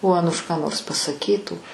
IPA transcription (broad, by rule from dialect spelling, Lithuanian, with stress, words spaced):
oː ˈɑːnʊʃ kɑː noːrs pɐsɐˈkʲiːtuː